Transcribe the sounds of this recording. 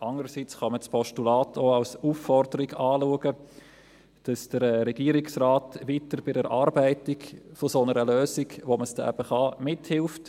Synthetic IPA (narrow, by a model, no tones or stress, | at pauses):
ʔɑŋəɾəsit͡sχɑməspʰɔʃtulɑːtʰoːalsuːfːɔrdəɾɪɡɑːluəɡə | d̥ɑsd̥əɾɾɛɡ̥iːəɾɪksraːtʋiːtəɾb̥ɪdəɾʔɑːɾbæɪtɪɡfosonəɾəløːsɪɡʋoməsd̥ɛʔæ̰b̥əχɑmɪthɪlft